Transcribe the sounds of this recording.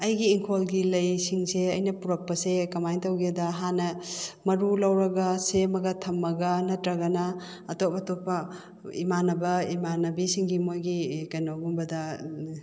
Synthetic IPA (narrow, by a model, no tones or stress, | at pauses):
ɐjɡiːŋkʰolɡilɐjsiŋseɐjnɐpuɾɐk̚pɐsekɐmajntɐwɡedɐɦanɐmɐɾulɐwɾɐɡɐsemɐɡɐtʰɐmːɐɡɐnɐtɾɐɡɐnɐ | ɐtopɐtopːɐ | ḭmanɐbɐimanɐbisiŋɡimojɡikɐjnoɡumbɐdɐ